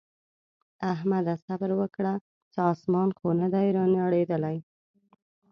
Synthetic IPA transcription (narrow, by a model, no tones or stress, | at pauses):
aɦmad̪asabəɾwəkɽa | t͡ʃɪɑsmɑnxonad̪ajɾɑnaɽed̪əlaj